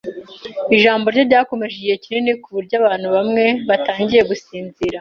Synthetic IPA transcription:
iʒaːmbo̞ɾɟoɾɟaːko̞me̞ʒiecininikuβuɾɟaβaːn̥huβamŋe̞βataːɲɟije̞ɡusiːnziɾa

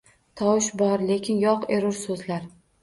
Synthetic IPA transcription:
t̪ʰɒwɪʃbɒɾle̞kʲʰɪnjɒqeɾʊɾsɵzlaɾ

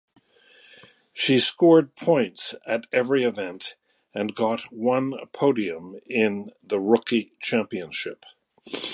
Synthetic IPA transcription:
ʃiskɔɹd̚pʰɔ̃ɪ̃ntsɨɾɛvɹiɨvɛ̃nt | ɨ̃nɡɑt̚wʌ̃nə̰pʰoʊɾiɨ̃mɪ̃nðɨɹʊkit͡ʃʰæ̃mpiɨ̃nʃɪp

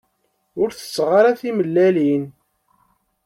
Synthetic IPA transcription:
ʊɾθə̥sːʁaɾaθiməlːælin

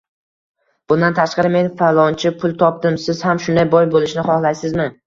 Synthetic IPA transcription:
b̥ʊnd̪ant̪ʰaʃqɑɾɪme̞nfalˠɒnt͡ʃʰɪpʰʊlˠt̪ʰɒp̚d̪ɪmsɪz̥hamʃʊnd̪ajbɒjbolˠɪʃnɪχɒhlˠajsɪzmɪ

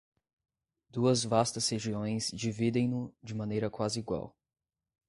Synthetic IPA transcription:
d̪̥uɐzvast̪ɐsheʒiõj̃sd͡ʒivid̪ẽj̃nʊd͡ʒɪmɐ̃nejɾɐkwazɪiɡwa̰w

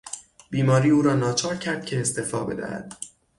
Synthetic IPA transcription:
b̥iːmɒːɾiːuːɾɒːnɒːt͡ʃʰɒːɾcʰæɾd̪̥̚cʰe̞ːst̪efɒ̰ːbe̞̰d̪æ̰hæ̰d̪̥

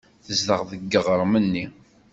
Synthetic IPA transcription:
θəzləʁðəɡːəʁɾˤmənːi

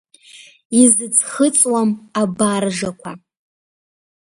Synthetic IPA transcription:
izɨt͡sʰʼχət͡sʼwamabarʒakʷʰa

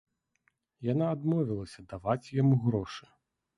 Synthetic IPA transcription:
janaːd̪mɔvʲilˠɐsʲɐd̪avat͡sʲjamuɣɾɔʂɨ̥

